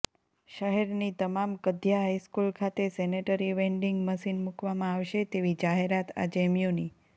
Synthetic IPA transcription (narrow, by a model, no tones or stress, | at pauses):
ʃəɦɛɾnit̪əmamkəd̪ʱjaɦaiskulkʰat̪esɛneʈəɾiʋɛ̃ɳɖiŋɡməʃinmukʋamãaʋʃet̪eʋid͡ʒaɦeɾat̪ʰa̰d͡ʒɛmjoni